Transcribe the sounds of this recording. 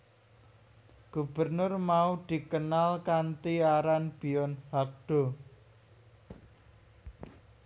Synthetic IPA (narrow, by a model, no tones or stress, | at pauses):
ɡ̥ṳb̥ərnʊrmaud̪̥i̤kənalkant̪iaɾanb̥i̤ɔnhak̚ɖ̥ɔ̤